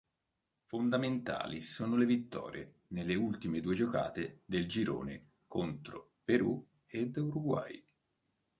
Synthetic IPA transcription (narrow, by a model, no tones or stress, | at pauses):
fond̪ament̪a̰ːlisoːnolevit̪ːɔ̰ːɾje | nelːeult̪imed̪uːed͡ʒoka̰ːt̪ed̪eld͡ʒiɾo̰ːne | kont̪ɾo | peɾu | ed̪uɾuɡwa̰j